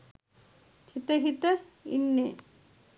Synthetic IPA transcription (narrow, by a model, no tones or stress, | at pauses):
hit̪ɐɦit̪ɐ | ḭnːe